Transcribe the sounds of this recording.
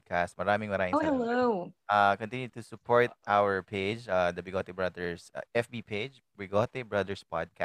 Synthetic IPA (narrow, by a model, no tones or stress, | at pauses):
d̪̚kʰast̪̚mɐɾaːmɪŋmɐɾaːɪ̃hɛlloʔakɔ̃nt̪ɪ̃njʊt̪ʊsʊpʰɔɹt̪̚ʔawəɹpʰed͡ʒad̪ɐbɪɡot̪ɛbɹɐd̪ɛɹsʔɛfbiːpʰed͡ʒ | bɪɡot̪ɛbɹɐd̪ɛɹspa̰d̪̚ka